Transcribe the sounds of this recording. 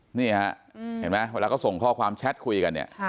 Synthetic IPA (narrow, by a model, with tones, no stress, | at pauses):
niː˥˩ha˦ʔhe˩˦nma˦˥jweː˧laː˧kɔː˥˩so˨˩ŋkʰɔː˥˩kʰwaː˧mt͡ɕʰɛ˦˥t̪̚kʰu˧jka˧nːḭ˦˥˩ɐ